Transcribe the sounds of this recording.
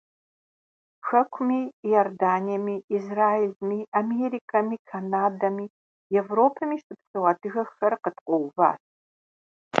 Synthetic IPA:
ʃɐkʷʰmiːjordaːnijɐmiːzraːilmiːameɾiːkʰɐmiːkʰanaːdɐmiː | jɛvroːpʰɐmiːʃtɨpʰsʼɨwaːdɨɣɐxɐrqətqʷʼɔwva̰ːt

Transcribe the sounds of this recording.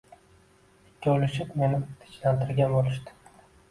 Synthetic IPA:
d͡ʒʲolɪʃɪpme̞nɪt̪ʰɪ̥t͡ʃlant̪ʰɪɾɡʲanbolˠɪʃt̪ɪ̥

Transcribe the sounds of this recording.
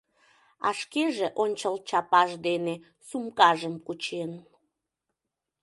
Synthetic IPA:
ɑʃkeʒeʔonʲt͡ɕəlt͡ɕɑpɑʒd̪ene | sumkɑʒəmkut͡ɕen

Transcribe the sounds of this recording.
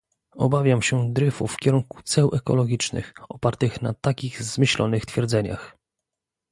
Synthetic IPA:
ɔ̰bavʲjamɕɛd̪ɾɘfufːkʲɛɾuŋku̥t̪sɛwʔɛkɔ̰lɔɡʲit͡ʂnɘ̰xɔpaɾt̪ɘxnat̪akʲiɣzmɘɕlɔ̰nɘxt̪fʲjɛɾd̪zɛɲa̰x

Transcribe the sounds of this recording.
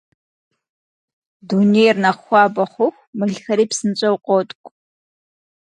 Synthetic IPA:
dunejrnɐχxʷɑːbɐχʷʊxʷmɨɮxɐɾiːpsɨnt͡ɕʼɐwqʷʼɔtʼkʷʼ

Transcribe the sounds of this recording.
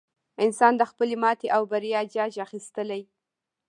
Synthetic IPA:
ɪnsɑnd̪əxpəlemɑt̪eʔawbaɾijɑd͡ʒɑd͡ʒaxist̪əlaj

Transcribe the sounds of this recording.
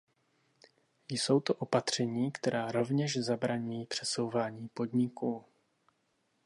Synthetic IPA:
jso̞wt̪oʔo̞pat̪r̝̥ɛɲiːkt̪ɛɾaːɾo̞vɲɛʃzabɾaɲujiːpr̝̥ɛso̞wvaːɲiːpo̞d̪ɲɪkuː

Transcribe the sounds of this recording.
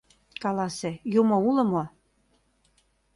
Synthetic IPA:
kɑlɑsejumoulə̆mo

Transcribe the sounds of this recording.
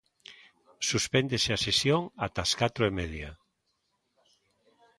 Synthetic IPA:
suspend̪eseasesjoŋat̪askat̪ɾoemeðja

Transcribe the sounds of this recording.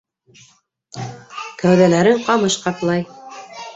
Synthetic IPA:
kæwðælæɾɘɴqɑmɤʃqɑt̪lˠɑj

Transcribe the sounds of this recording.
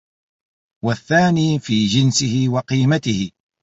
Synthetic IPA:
waθːaːniːfiːd͡ʒɪnsɪhɪwɑqiːmat̪ɪhɪ

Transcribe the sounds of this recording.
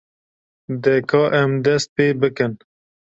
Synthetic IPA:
d̪ɛkʰɔːʔɛmd̪ɛst̪̚peːbəkən

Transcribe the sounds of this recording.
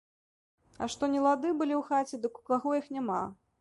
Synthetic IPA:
ɐ̰ʂt̪ɔnʲɛlˠad̪ɨbɨlʲiwxat͡sʲɛd̪ɨku̥kaɣɔjixnʲama̰

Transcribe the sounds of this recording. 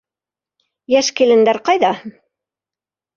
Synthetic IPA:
jæʃkilɘ̆nd̪æɾqɑjðɑ

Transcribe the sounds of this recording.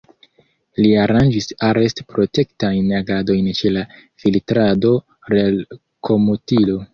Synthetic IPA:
liaɾand͡ʒisaɾe̞stpɾo̞te̞ktajnaɡado̞jnt͡ʃe̞la | filtɾado̞ | ɾel | kʰo̞motilo̞

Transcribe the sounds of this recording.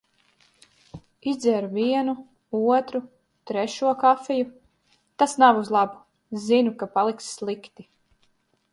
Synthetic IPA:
izd̪zʲɛɾuviɛnu | uɔt̪ɾu | t̪ɾɛʃuɔkafɛju | t̪asnavuzlˠabu̥ | zinukapalˠiksslˠikt̪i

